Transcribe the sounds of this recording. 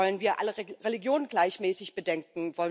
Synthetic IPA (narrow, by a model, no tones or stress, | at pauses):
ɔlənviːɐʔa̰ləʁeliɡjoːnənɡlaɪçmɛːsɪçb̥ədɛŋkŋ̩vɔlən